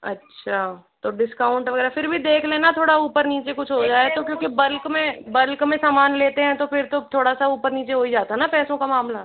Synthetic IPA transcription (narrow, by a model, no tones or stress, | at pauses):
ɐ̰tːʃʰat̪oɖɪskaːʊ̃ɳʈʋɐɡɛːɾafʰɪɾbʱid̪eːkʰlẽːnat̪ʰoːɽauːpəɾniːt͡ʃekʊt͡ʃʰɦod͡ʒaːet̪okjõːkibɐlkmẽbɐlkmẽsaːmaːnleːt̪eɦɛ̃t̪opɪɾt̪ot̪ʰoːɽasauːpəɾniːt͡ʃeɦoid͡ʒaːt̪aɦɛnapɛːsõkamaːmla